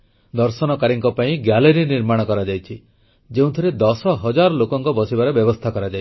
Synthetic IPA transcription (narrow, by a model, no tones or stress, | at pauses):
d̪ɔɾsɔnɔkaɾiŋkɔpaĩɡjaleɾiniɾmaɽ̃ɔkɔɾad͡ʒajt͡ʃʰi | d͡ʒeũt̪ʰɔɾed̪ɔsɔɦɔd͡ʒaɾɔlokɔŋkɔbɔsibaɾebjɔbɔst̪ʰakɔɾad͡ʒa